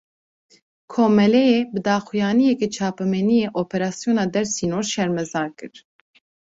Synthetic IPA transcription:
kʰoːmɛlɛjeːbɨd̪ɑːxujɑːnijɛket͡ʃʰɑːpɛmɛnijeːʔoːpʰɛɾɑːsjoːnɑːd̪ɛɾsiːnoːɾʃɛɾmɛzɑːkɨɾ

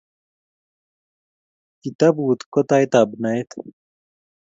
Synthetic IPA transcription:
kit̪ɐbut̪kot̪aet̪abnaet̪ʰ

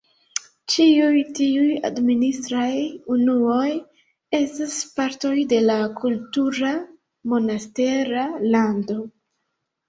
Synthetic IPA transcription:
t͡ʃiujtiuja̰dministɾajunuo̞j | e̞staspaɾto̞jde̞lakʰultuɾa | mo̞naste̞ɾalando̞

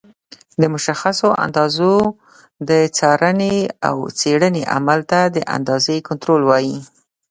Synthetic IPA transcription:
d̪əmʊʃaxasoʔa̰nd̪ɑzo | d̪ət͡sɑɾənea̰wt͡seɽəneʔa̰malt̪ad̪əʔa̰nd̪ɑzekʊnt̪ɾolwɑji

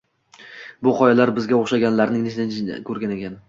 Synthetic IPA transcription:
bʊqʰɒjalaɾbɪzɡʲaoχʃaɡʲanlaɾnɪŋnesd̪ɪnkʲʰɵɾɡʲane̞kʲʰan

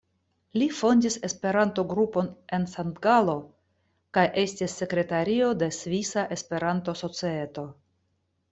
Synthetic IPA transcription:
lifo̞ndise̞spe̞ɾanto̞ɡɾupo̞ne̞nsantɡalo̞ | kajʔe̞stisːe̞kɾe̞taɾio̞de̞svisaʔe̞spe̞ɾanto̞so̞t͡sie̞to̞

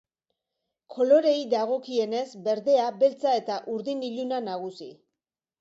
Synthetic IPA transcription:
kʰo̞lo̞ɾe̞jd̪aɣ̞o̞kie̞ne̞zbe̞ɾðe̞abe̞lt͡sae̞t̪aʔuɾðiniʎunanaɣ̞usḭ

